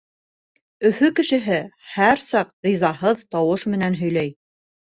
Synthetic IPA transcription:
ɵ̆fɵkɘ̆ʃɘ̆ɦɘhæɾsɑqɾizɑɦɤðt̪ɑwɤʃmɘ̆nænɦɵ̆jlæj

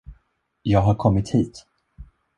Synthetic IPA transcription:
jɑːɡɦaɾkʰɔmːɪt̪hiːt̪

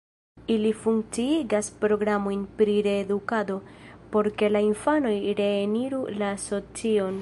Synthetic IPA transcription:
ilifuŋk̚t͡siiɡaspɾo̞ɡɾamo̞jnpɾiɾe̞ːdukado̞po̞ɾke̞lainfano̞jɾe̞ːniɾulaːso̞t͡sio̞n

